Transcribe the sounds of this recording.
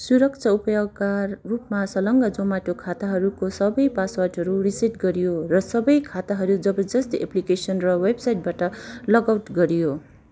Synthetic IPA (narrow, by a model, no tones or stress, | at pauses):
suɾʌk̚t͡sʰʌupʌjoɡ̚karupmasʌlʌŋɡʌd͡zomaʈokʰat̪aɦʌɾukosʌbʌjpaswaʈɦʌɾurisiʈɡʌɾijorʌsʌbʌjkʰat̪aɦʌɾud͡zʌbʌd͡zʌst̪iʔeplikesʌnrʌwebsajʈ̚baʈʌlʌɡawʈɡʌɾijo